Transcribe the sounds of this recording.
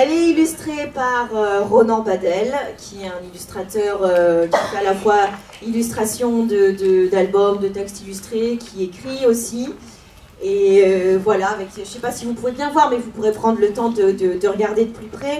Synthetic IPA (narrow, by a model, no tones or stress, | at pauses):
ɛlɛilyst̪χepaʁøʁɔnɑ̃bad̪ɛlkʲʰiɛt̪ɛ̃nilyst̪χat̪œʁøkʲi̥fɛalafwa | ilyst̪χasjɔ̃d̪əd̪əd̪albɔmd̪ət̪ɛkst̪ilyst̪χekʲʰiekχiosi | eøvwalaːvɛkʒəsepasivupuvebjɛ̃vwaʁmɛvupuʁepχɑ̃d̪ʁlət̪ɑ̃d̪əd̪əd̪əʁəɡaʁd̪ed̪əplypχɛ